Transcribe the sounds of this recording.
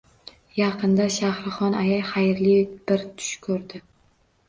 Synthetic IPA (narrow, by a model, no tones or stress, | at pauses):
jɑqʰɨnd̪aʃahɾɨχɒnajajχajɾlib̥ɪɾt̪ʰʊ̥ʃkʰɵɾd̪ɪ